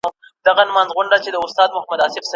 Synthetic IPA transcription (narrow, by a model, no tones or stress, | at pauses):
d̪aɣanmɑnzɣʊɳɖat͡ʃed̪əʊst̪ɑːd̪mʊhmad̪aːsɪfs